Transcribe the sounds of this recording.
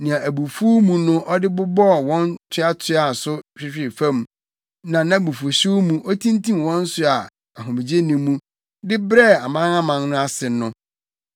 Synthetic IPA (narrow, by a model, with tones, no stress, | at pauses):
nĩ˨ã˨æ˨bu˨fu˦mũ˨nʊ̃˦ʔɔ˦dɪ˦bʊ˦bɔ˦˨wɔ̃˦ntʰʊ˦a˦tʰɪ˦a˨sʊ˦ɕᶣɪ˦ɕᶣɪ˨fã˦˨m˦ | nã˨nã˦˨bu˨fu˨ɕu˦mũ˦ʔɔ˦tʰĩ˦ntʰĩ˦m˨wɔ̃˦n̩˦sʊ˦a˨ | a˨ɦʊ̃˨mi˨d͡ʑe˦nĩ˨mũ˦ | dɪ˦bɾɛ˦˨a˨mã˦nã˦mã˨nnʊ̃˦a˦sɪ˨nʊ̃˦